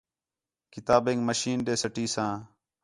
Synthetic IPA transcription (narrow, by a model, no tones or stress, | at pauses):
kɪt̪aːbẽːŋɡməʃiːnɗeːsəʈiːsãː